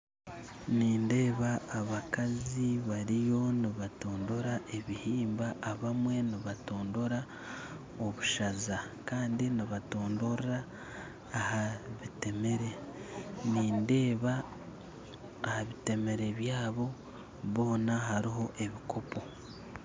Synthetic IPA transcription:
niːnde̞ːβaːβakaziβaɾijo̞niβato̞ːndo̞ɾaʔe̞βihiːmbaʔːβamwe̞niβato̞ːndo̞ɾa | o̞βuʃazakaːndiniβato̞ːndo̞ɾaː | haβite̞me̞ɾe̞ | niːnde̞ːβa | haβite̞me̞ɾe̞βjaːβo̞ | βo̞ːnaɦaɾiɦo̞ʔe̞βikʰo̞po̞

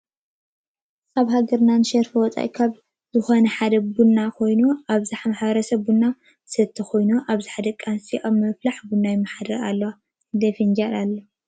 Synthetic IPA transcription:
aβɦaɡɐɾnanɨʃɐɾfɨwɔt͡sʼa̰jkʰaβ | zɨxonɐħad̪ɐbunːakʰo̞jnuaβzaħmaħβɐɾɐsɐbunːa | ɨsɐt̪ʰːɐkʰo̞jnuʔaβziħad̪ɐkʼansiʔaβmɐflaħbunːajɪmːaħad̪ɐɾa̰lːɐwa | d̪efind͡ʒalalːɐ

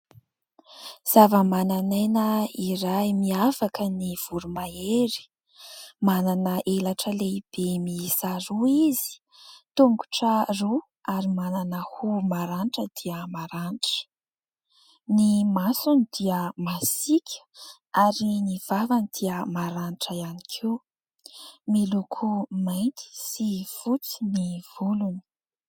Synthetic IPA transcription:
z̥avəmananajnəiɾajmiafakəniv̥uɾumaeɾi̥ | mananəʔelaʈ͡ʂəleib̥emisaɾuizi̥ | t̪uŋɡuʈ͡ʂəru | aɾimananəhumaɾanʈ͡ʂəd̪iəmaɾaniʈ͡ʂə̥ | nimasunid̪iəmasikʲʰə̥ | aɾiniv̥avanid̪̥iəmaɾaniʈ͡ʂəianikʰe | milukʰumajnt̪i̥siv̥ut͡si̥niv̥uluni̥

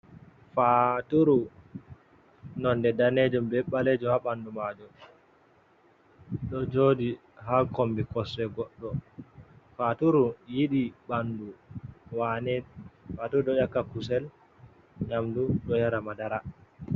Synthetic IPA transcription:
fatuɾu | nɔndɛdaned͡ʒumbɛɓːaled͡ʒuhaɓandumad͡ʒɔ | ɗɔd͡ʒodi | ɦakombikɔsɛɡɔɗːɔ | fatuɾujiɗiɓanduwanɛfatuɾuɗɔjakːakusɛl | ɲamduɗɔjaɾamadaɾa

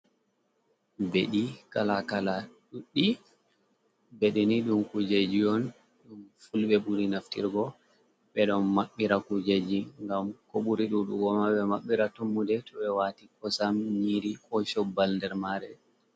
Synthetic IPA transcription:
beɗikalakalaɗuɗːi | beɗiniɗumkud͡ʒed͡ʒiɔn | ɗumfulɓɛɓuɾinaftḭɾɡɔ | ɓɛɗɔnmaɓːiɾakud͡ʒed͡ʒiŋɡamkoɓuɾiɗuɗṵwɔmaɓɛmaɓːiɾatumːudɛtɔɓɛwatikɔsamɲiɾiʔɔʃɔbːalndɛɾmaɾɛ

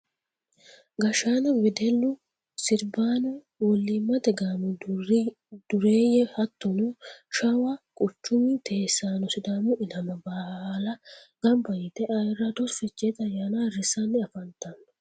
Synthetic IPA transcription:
ɡɐʃaːnɐwɪd̪ɛlːʊ | sɪɾbaːnʊ | wɔlːiːmːɐd̪ɛɡaːmɪ | d̪̥ʊɾe̞ːjɛhɐt̪ːɔnʊʃɐwɐkʼʊt͡ʃːʊmɪt̪ʰe̞ːsːaːnɔsɪd̪aːmʊɪlɐmɐbɐhlɐ | ɡ̥ɐmbɐjɪt̪ɛʔɐjɪrːɐd̪ɔsfɛt͡ʃːeːt̪ɐjaːnarɪsɐnːɪɐfɐnt̪ɐnːɔ̥

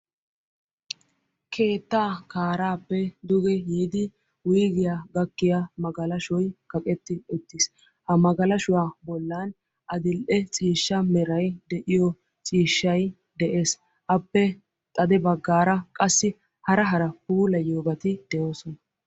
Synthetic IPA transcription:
kʰe̞ːt̪ːaːkaːɾaːpːɛd̪ʊɡɛjiːd̪ɪ | wʊjɡɪjaɡɐkːɪjamɐɡɐlɐʃɔjkɐkʼɛt̪ːɪʊt̪ːɪs | hɐmɐɡɐlɐʃʊwaːbɔlːaːn | ʔɐd̪ɪlʔɛt͡sʼiːʃːɐmɛɾɐjd̪ɛʔɪjɔ | t͡sʼiːʃːɐj | d̪ɛʔe̞ːs | ʔɐpːɛ | t̪ʼɐd̪ɛbɐɡːaːɾɐkʼɐsːɪ | hɐɾɐɦɐɾɐpuːlɐjoːbɐt̪ɪd̪̥ɛjoːsɔnɐ

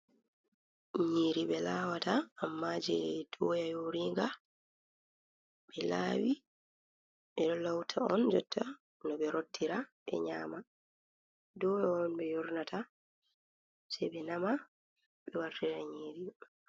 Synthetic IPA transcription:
ɲiːɾiɓɛlaːwataːmːad͡ʒɛd̥ɔːjajoɾiŋɡa | ɓɛlaːwi | ɓɛɗɔlawtʰaɔnd͡ʒɔtʰːa | nɔɓɛɾotːiɾaɓɛ̰ɲaːma | dɔjaɔnɓɛjoɾnatʰa | sɛɓɛnama | ɓɛwaɾtiɾaɲiːɾi

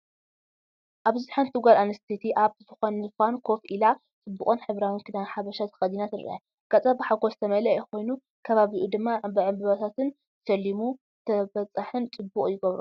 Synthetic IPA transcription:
ʔaβzɨħant̪ʰɨɡʷalanɐst̪ʰet̪ʰiʔaβzɨxonɨfankʰo̞fʔila | t͡sʼɨbːukʼɨnħɨβɾawinkʰɨd̪anħaβɐʃat̪ʰɐ̥xɐd̪inat̪ɨɾ̰ʔa | ɡ̥at͡sʼabɨħaɡozɨt̪ʰɐmɐlɐjko̞jnu | kʰɐβaβiʔud̪ɨmːaʕbɨʕɨmbɨβɐt̪ʰat̪ʰɨn | sɐlːimu | t̪ʰɐbɐt͡sʼaħɨnt͡sʼɨbːukʼjɪɡɐβɾṵ

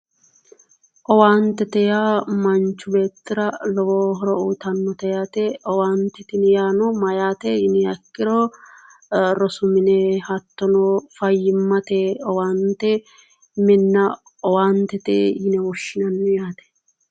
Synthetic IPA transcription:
ʔɔwaːnt̪ɛt̪ɛjaːmɐnt͡ʃːʊbe̞ːt̪ːɪɾɐlɔwoːɦɔɾɔuːt̪ɐnːɔt̪ɛjaːt̪ɛʔɔwaːnt̪ɛt̪ɪnɪjaːnɔmɐjaːt̪ɛjɪnɪjɐkːɪɾɔ | ɾɔsʊmɪnɛhɐt̪ːɔnɔfɐjːɪmːɐt̪eɔwaːnt̪ɛ | mɪnːɐ | ɔwaːnt̪ɛt̪ḛjɪnɛwɔʃːɪnɐnːɛjaːt̪ɛ̥

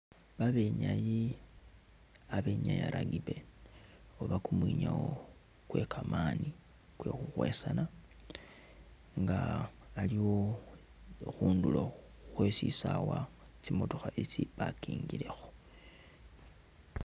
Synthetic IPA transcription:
βaβe̞ɲaji | aβe̞ɲajaɾʔaɡiβe̞ | oβakumwiɲawo̞ | kwe̞kʰamaːni | kwe̞xuxwe̞sana | ŋɡaːliwo̞ | xuːndulo | xwesisawa | t͡simo̞toxait͡siβakiːŋɡiɾe̞xo̥

